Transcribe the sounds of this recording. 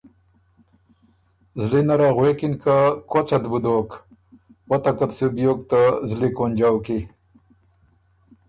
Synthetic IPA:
zlinɐɾaɣwekinkakwot͡sɐt̪bud̪ok | wɐt̪ɐkɐt̪subjoːkt̪əzlikonʲd͡ʑawki

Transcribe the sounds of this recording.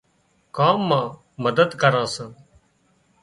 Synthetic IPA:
kaːmːãː | məd̪əd̪kəɾãːsə̃ː

